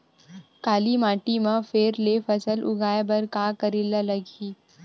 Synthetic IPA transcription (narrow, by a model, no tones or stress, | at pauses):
kaːlimaːʈimãfeːɾlefɐsəlʔʊ̰ɡaːebɐɾkaːkɐɾɪlalɐɡiː